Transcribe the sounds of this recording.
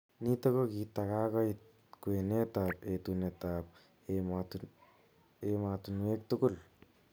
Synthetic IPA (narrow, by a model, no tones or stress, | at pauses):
nit̪akokit̪akakait̪̚ | kuenet̪apet̪unet̪ap̚ | emat̪unwek̚t̪uɡul